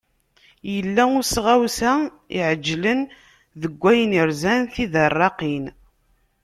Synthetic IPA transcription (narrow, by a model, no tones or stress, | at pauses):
jəlːæʊsʁæwsæ | ḭʕəd͡ʒːlən | ðəɡʷːæjəniɾzænθiðərˤːɑqin